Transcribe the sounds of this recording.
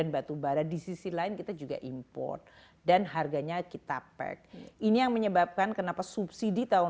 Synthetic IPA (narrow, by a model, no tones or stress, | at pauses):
anbat̪ubaɾadisisilaɪnkit̪ad͡ʒuɡa̰ʔimpɔ̰rt̪̚ | danɦarɡaɲakit̪apɛ̰k̚inijaŋməɲəbap̚kankənapasupsidit̪aʊ